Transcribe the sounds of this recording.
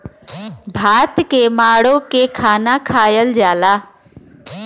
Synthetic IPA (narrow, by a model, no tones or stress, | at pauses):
bʱaːt̪kemaːɽokekʰaːnakʰaːjəld͡ʒaːla